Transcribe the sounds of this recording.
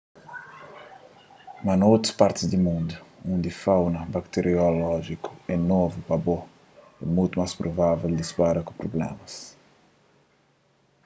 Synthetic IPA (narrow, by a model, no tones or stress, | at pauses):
mɐnowt̪ɾɐ̥spaɾt̪ɪzd̪imũnd̪uũnd̪ifawnɐbakt̪eɾiolɔʒikʊ̥ɛnovupɐbo | ɛ̰mujt̪umaspɾʔovaveld̪ispaɾɐkʊpɾoblɛ̰mɐs